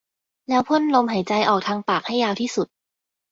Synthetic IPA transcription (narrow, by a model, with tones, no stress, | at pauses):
lɛː˦˥wpʰo˥˩˨nlo˧mɦa˩˦jt͡ɕa˧jʔɔː˨˩k̚t̪ʰaː˧ŋpaː˨˩k̚ha˥˩jːaː˧wt̪ʰiː˥˩su˨˩t̪̚